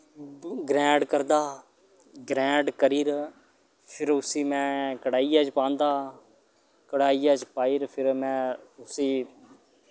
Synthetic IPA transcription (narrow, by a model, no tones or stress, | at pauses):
ɡɾɛ̃ːɖkəɾd̪aː | ɡɾɛ̃ːɖkəɾiːɾ | pʰɪɾʊsiːmɛ̃ːkəɽaːijaːt͡ʃpãːnd̪aː | kəɽaːiːaːt͡ʃpaːiːɾpʰɪɾmɛ̃ːʊsiː